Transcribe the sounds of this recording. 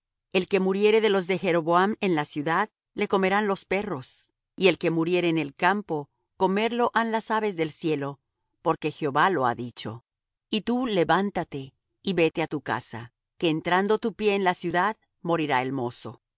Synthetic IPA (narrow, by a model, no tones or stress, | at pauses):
e̞lke̞muɾje̞ɾe̞ðe̞lo̞zðexe̞ɾo̞βoame̞nlasjuðað | le̞ko̞me̞ɾanlo̞spe̞ro̞s | ie̞lke̞muɾje̞ɾeːnelkampo̞ | ko̞me̞ɾlo̞ʔanlasaβe̞zðe̞lsje̞lo̞ | po̞ɾke̞xeo̞βalo̞a̰ðit͡ʃo̞̰ | it̪ule̞βant̪at̪e̞ | iβe̞t̪e̞at̪uka̰sa̰ | ke̞ːnt̪ɾand̪ot̪upje̞ːnlasjuðað | mo̞ɾiɾaelmo̞so̞̰